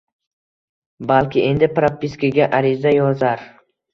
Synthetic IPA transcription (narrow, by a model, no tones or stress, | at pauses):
balkʲʰɪʔe̞nd̪ɪpɾapːiskʰʲaɡʲaʔaɾɪzajɒzaɾ